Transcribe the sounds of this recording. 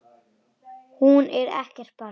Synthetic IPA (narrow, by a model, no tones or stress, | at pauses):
hunɛɾɛ̰hcɛr̥t̪̚pa